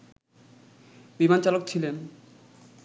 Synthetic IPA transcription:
bimant͡ɕalok̚t͡ɕʰilen

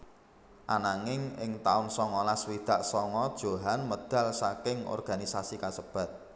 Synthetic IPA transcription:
ʔanaŋɪŋɪ̰ŋt̪aʊnsɔŋɔlaswid̪̥a̤ʔsɔŋɔd̥ʒ̥o̤ɦanməd̪̥ä̤lsakɪŋɔ̰rɡ̥a̤nisasikasəb̥ä̤t̪̚

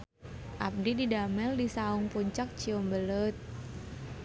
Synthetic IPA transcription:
ʔap̚dididamɛldisauŋpuɲt͡ʃak̚t͡ʃiumbələt̪̚

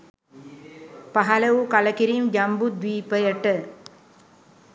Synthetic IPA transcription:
paɦaləʋukaləkiɾimd͡ʒambud̪ʋiːpəjəʈə

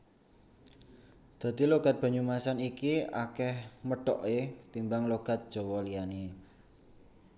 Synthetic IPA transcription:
d̪̥a̤t̪iloɡ̥a̤t̪̚b̥a̤ɲumasanikia̰kɛhməɖ̥ɔ̰ʔet̪imbaŋloɡ̥a̤t̪̚d̥ʒ̥ɔ̤wɔlijane

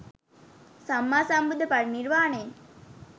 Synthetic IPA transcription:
samːaːsambud̪ʱːəpaɽnirʋaːnəjeŋ

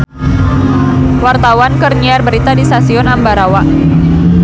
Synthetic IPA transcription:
wart̪awankərniarbəɾit̪adist̪asiɔnambaɾawa

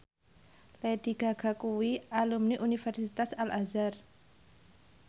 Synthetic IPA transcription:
led̪̥i̤ɡ̥a̤ɡ̥a̤kuwialumniʔunifɛrsit̪asalʔazar

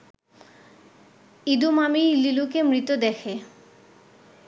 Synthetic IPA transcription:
id̪umamililukemɾit̪od̪ɛkʰe

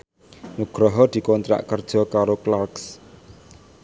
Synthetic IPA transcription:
nuɡ̥ɾɔɦɔd̪̥i̤kɔnt̪ɾa̰ʔkərd̥ʒ̥ɔ̤kaɾoklarks

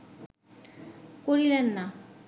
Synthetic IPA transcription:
koɾilenːa

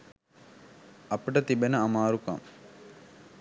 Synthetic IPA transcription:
ɐpəʈət̪ibenɐɐmaːɾukɐ̰ŋ

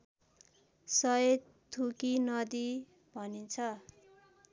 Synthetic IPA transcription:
sʌje | t̪ʰːukinʌd̪i | bʱʌnit͡sʰʌ

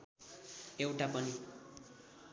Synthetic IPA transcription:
ewʈapʌni

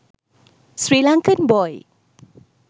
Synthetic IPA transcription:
sɾiːlaŋkʰənbɔj

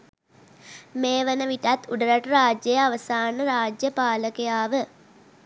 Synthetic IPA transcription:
meːʋənəʋiʈat̪ʰːuɖəɾaʈəɾaːd͡ʒjəjəaʋəsaːnəɾaːd͡ʒjəpaːləkejaːʋə

